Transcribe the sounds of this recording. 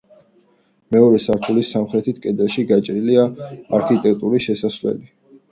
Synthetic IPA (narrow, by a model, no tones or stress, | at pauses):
mɛɔɾɛsaɾt̪ʰulisamχɾɛt̪ʰit̪ʰkʼɛd̪ɛlˠʃiɡat͡ʃʼɾiliaaɾkʰit̪ʼɛkʰʼt̪ʼuɾiʃɛsasvlɛ̰li